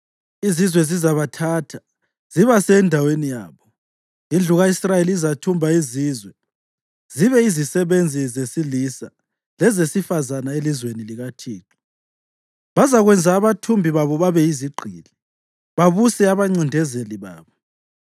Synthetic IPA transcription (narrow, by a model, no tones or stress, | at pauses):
izizwɛzizaβatʰaːtʰḁ | z̥iβasɛndʱawenija̰ːβɔ | ind͡ɮʱuɣaisrajeliizatʰumbʱaizizwɛ | z̥iβɛizisɛβend͡zʱizesilisa | lɛzesifazanaelizweniliɣatʰiːǁi | βazaɣwɛnd͡zʱaːβatʰumbʱiβaβɔβaβɛiziɡ͡ǃʱiːli | βaβusɛaβaŋ͡ǀindʱɛzeliβa̰ːβɔ